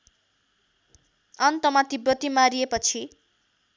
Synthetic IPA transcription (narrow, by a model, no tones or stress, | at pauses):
ʌnt̪ʌmat̪ibʌt̪imaɾiepʌt͡sʰi